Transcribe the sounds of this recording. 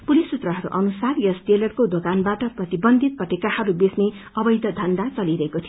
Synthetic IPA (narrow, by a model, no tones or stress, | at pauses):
pulisut̪rʌɦʌɾṵʔʌnusarjʌsʈelʌrkod̪okanbaʈʌprʌt̪ibʌnd̪ʱit̪̚pʌʈekahʌɾubesne | ʌbʌjd̪ʱʌd̪ʱʌnd̪at͡sʌliɾʌɦekot̪ʰijo